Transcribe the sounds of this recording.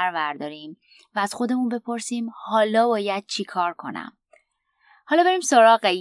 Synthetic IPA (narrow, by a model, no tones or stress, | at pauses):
ɾvæɾd̪ɒːɾiːm | væːz̥xo̞d̪e̞munbe̞pʰo̞ɾsiːmhɒːlɒːbɒːjæd̪̥̚t͡ʃʰikʰɒːɾkʰo̞næ̰m | hɒːlɒːbe̞ɾiːmsoɾɒːɣe